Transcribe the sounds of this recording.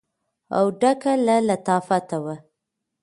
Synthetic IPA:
a̰wɖakalalat̪ɑfat̪awa

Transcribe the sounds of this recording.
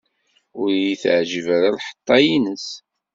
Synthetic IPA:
ʊɾjiθʕʒivæɾalħə̥t̪ˤːɑjinəs

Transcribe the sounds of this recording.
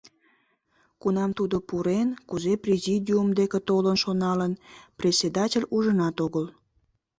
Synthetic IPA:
kunɑmt̪ud̪opuɾenkuzeprʲezʲidʲiumd̪eket̪olənʃonɑlənprʲesʲed̪ɑtʲelʲuʒənɑt̪oɣəl

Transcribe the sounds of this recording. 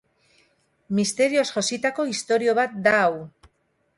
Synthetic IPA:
mist̪e̞ɾio̞sʝo̞sit̪ako̞ist̪o̞ɾio̞βat̪̚d̪aːw

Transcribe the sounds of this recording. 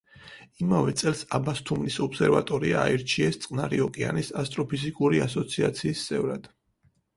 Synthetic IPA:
imavɛt̪sʼɛlˠsabast̪ʰumnisɔpsɛɾva̰t̪ʼɔɾia̰ːiɾt͡ʃʰiɛst̪sʼqʼnaɾiɔkʼia̰nisast̪ʼɾɔpʰizikʼuɾiasɔt̪sʰia̰t̪sʰiːst̪sʼɛvɾad̪̥

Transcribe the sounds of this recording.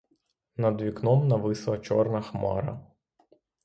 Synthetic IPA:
nɐd̪ʋʲiknɔmnɐʋɪslˠɐt͡ʃɔrnɐxmɑ̰ɾɐ̰

